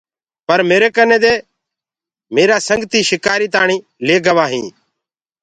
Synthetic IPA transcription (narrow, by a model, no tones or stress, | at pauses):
pəɾmeːɾeːkənẽːd̪eː | meːɾaːsəŋɡt̪iːʃɪkaːɾiːt̪aːɳĩː | leːɡəʋaːɦĩː